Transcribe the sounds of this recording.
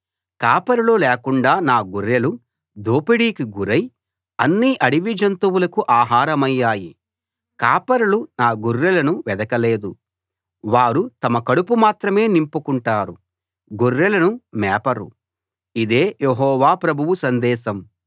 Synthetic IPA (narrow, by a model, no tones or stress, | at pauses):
kaːpɐɾulolɛːkuɳɖaːnaːɡuɾːelu | d̪ʱoːpiɽiːkiɡuɾɐj | ɐ̰nːiːʔɐɽiʋid͡ʒɐnt̪uwulɐkuʔaːɦaːɾɐmɐjːaːji | kaːpɐɾulunaːɡurːɐlɐnuʋɛd̪ɐkɐle̞ːd̪u | ʋaːɾut̪ɐmɐkɐɽupumaːt̪ɾɐme̞ːnimpukuɳʈaːɾu | ɡurːelɐnumɛːpɐɾṵ | id̪e̞ːjeɦɔːʋaːpɾɐbʱuʋusɐnd̪ɛːʃɐm